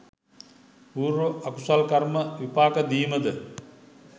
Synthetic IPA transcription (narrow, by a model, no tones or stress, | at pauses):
puːɾoʔakusalkɐɾməʋipaːkəd̪iːməd̪ə